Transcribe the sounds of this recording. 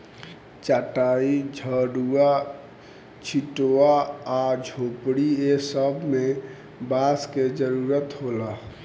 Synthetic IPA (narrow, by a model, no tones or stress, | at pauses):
t͡ʃaːʈaid͡ʒʱəɽua | t͡ʃʰiʈoaad͡ʒʱopɽiesəbʱme | basked͡ʒəɾuɾət̪ɦola